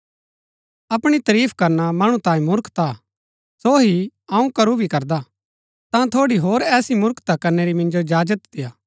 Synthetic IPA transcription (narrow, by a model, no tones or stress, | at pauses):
ɐpɽ̃it̪ɐɾiːpʰkɐɾnamɐɽ̃ũt̪ãːĩmʊɾkt̪a | soɦiɐũkɐɾubʱikɐɾd̪a | t̪ãt̪ʰoːɽiɦoːɾɛːsimʊɾkt̪akɐɾneɾimɪ̃nd͡ʒod͡ʒaːd͡ʒət̪d̪ɪjaː